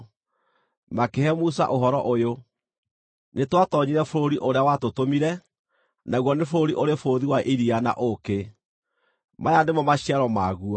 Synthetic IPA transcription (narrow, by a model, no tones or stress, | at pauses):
makeɦɛmusa̰ʔoɦɔɾɔʔojo | netwatɔɲiɾɛfoɾoɾiʔoɾeawatotomiɾɛ | naɣwɔnefoɾoɾiʔoɾefooðiwaʔiɾiana̰ʔoke | majanemɔmaɕiaɾɔmaːɣua